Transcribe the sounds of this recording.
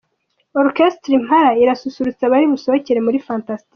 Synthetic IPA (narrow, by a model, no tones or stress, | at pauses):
oɾkestɾim̥haɾaiɾasusuɾut͡saβaɾiβuso̞βoceɾe̞muɾifaːntasti